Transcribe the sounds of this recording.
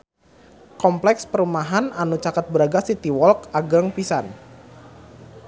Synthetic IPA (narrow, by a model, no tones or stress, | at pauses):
kɔmplɛkspəɾumaɦananut͡ʃakət̪̚bəɾaɡasit̪iwɔlkaɡəŋpisan